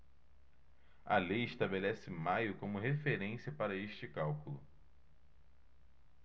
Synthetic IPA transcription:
ɐ̰lejɪʃt̪abelɛsɪmajʊkõmʊɦefeɾẽsiɐpaɾɐeʃt͡ʃɪkawkʊlʊ̰

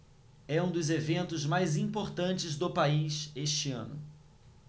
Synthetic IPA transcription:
ɛũd̪ʊzevẽnt̪ʊzmajzĩpoɾt̪ɐ̃nt͡ʃɪzd̪ʊpaiʃeʃt͡ʃɪɐ̰̃nʊ̰

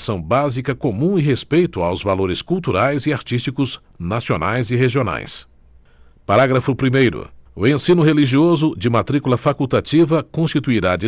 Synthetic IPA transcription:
sɐ̃w̃bazikɐkomũɪɦespejt̪ʊawzvaloɾɪskuwt̪uɾajzɪaɾt͡ʃist͡ʃikʊz | nasionʔa̰jzɪɦeʒiona̰js | paɾaɡɾɐfʊpɾimejɾʊ̰ʊẽsĩnʊɦeliʒiozʊd͡ʒɪmat̪ɾikulɐfakuwt̪at͡ʃivɐkõst͡ʃit̪uiɾad͡ʒɪ

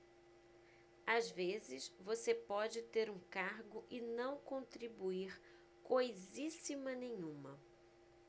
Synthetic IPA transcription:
azvezɪsvosepɔd͡ʒɪt̪eɾũkaɾɡʊʔɪnɐ̃w̃kõnt̪ɾibuiɾ | kojzisimɐnẽɲũmɐ

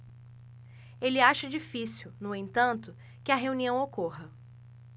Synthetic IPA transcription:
elɪaʃɐd͡ʒifisiwnʊẽnt̪ɐ̃nt̪ʊ | kɪɐɦeũniɐ̃w̃okoɦɐ

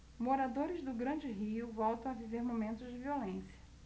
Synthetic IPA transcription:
moɾad̪oɾɪzd̪ʊɡɾɐ̃d͡ʒɪɦiʊvɔwt̪ɐ̃w̃aviveɾmomẽnt̪ʊzd͡ʒɪviolẽsiɐ̥

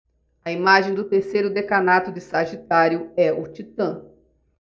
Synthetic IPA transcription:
ɐimaʒẽj̃d̪ʊt̪eɾsejɾʊd̪ekanat̪ʊd͡ʒɪsaʒit̪aɾjʊɛʊt͡ʃit̪ɐ̃

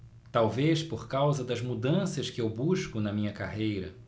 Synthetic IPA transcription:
t̪awvespoɾkawzɐd̪ɐzmud̪ɐ̃sɐʃkɪewbuʃkʊnɐmĩɲɐkaɦejɾɐ̰

